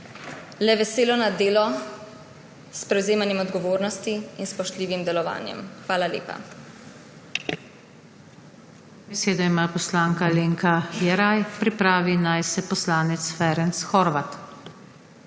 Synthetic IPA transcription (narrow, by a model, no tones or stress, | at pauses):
lɛʋɛseːlɔnad̪eːlɔ | spɾɛwzeːmanjɛmɔd̪ɡɔʋoːɾnɔst̪iinspɔʃt̪liːʋimd̪ɛlɔʋa̰ːnjɛ̰mxʋaːlaljḛːpa̰ | bɛseːd̪ɔimapɔslaːŋkaleːŋkʰajɛɾajpɾipɾaːʋinajsɛpɔslaːnɛt̪sfɛɾɛnsxɔɾʋat̪